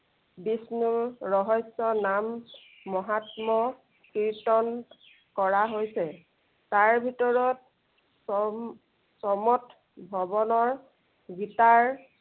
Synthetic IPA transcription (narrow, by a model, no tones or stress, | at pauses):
bisnuɹɔɦɔjsɔnamː | ɔɦatmɔ | kiɹtɔn | kɔɹaɦojsɛ | taɹbʱitɔɹɔt̚ | s | sɔmɔt | bʱɔbɔnɔɹ | ɡitaɹ